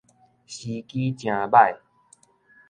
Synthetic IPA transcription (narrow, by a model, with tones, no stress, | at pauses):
ɕi˧ki˦t͡ɕj̃ã˨˧ba˥˧˨j